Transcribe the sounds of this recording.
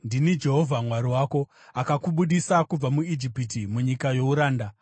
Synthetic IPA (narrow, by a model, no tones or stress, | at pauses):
ndinid͡ʒe̞ɦo̞vʱamwaɾiwaːko̞ | akakuɓuɗisakub͡vamuid͡ʒipitimuɲikajo̞uɾaːnda